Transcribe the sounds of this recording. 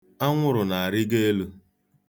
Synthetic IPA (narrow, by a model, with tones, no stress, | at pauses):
a˦ŋʷʊ˦ɾʊ˨na˨a˨ɾɪ˦ɡe˦e˦lu˦